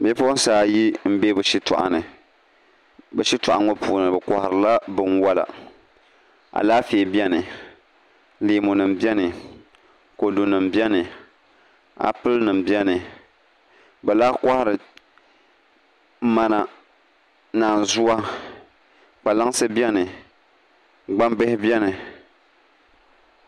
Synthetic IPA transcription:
be˦po˦n˦saː˨ji˦m̩˦be˦bɨ˨ʃi˦tɔ̰˨ʔa̰˨nɨ˨ | bɨ˨ʃi˦tʊ˨ʔa˨ŋɔ˦puː˨nɨ˨bɨ˨ka˨hɾɨ˨la˦bɨ˦nwa˦la̰˨ | ʔa̰˨laː˦feː˨bi˦ɛ˦nɨ˨ | leː˨˦mʊ˨nɨ˨mbɛ˦nɨ˨ | ko˨du˨nɨ˨m̩bi˦ɛ˦nɨ˨ | a̰˨pɨ˦lnɨ˨mbɛ˦nɨ˨ | bɛ˨laː˦kʷa˦hɪ˨ɾɨ˨ | ma˨na˨ | naː˨n˨zu˦a˦ | k͡pa˨la˦ŋ˦sɨ˦bɛ˦nɨ˨ | ɡ͡ba˦mbɨ˦hɪ˦bjɛ˦nɨ˨

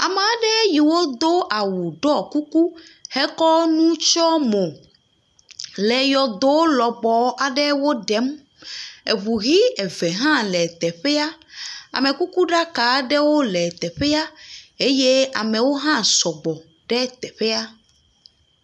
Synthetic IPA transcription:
a̰˨me˨a˨ɖɛ˦ji˨wo˦d̪o˦ʔa˨wu˨ɖɔ˦ku˦ku˦hɛ˦kɔ˦nũ˦t͡ʃɔ˦mo˨ | lɛ˨jɔ˨d̪o˦lɔ˨ɡ͡bɔ˦a˨ɖɛ˦wo˦ɖɛ˨˦m | e˨βu˨ɣi˦ɛ˨vɛ˨ɦã˦lɛ˨t̪ɛ˨ɸe˦a˦a̰˨mɛ̃˨ku˦ku˦ɖa˦ka˨ɖɛ˦wo˦lɛ˨t̪ɛ˨ɸe˦a˦e˦je˦a˨mɛ̃˨wo˦ɦã˦sɔ˨ɡ͡bɔ˨ | ɖɛ˦t̪ɛ˨ɸe˦a˦

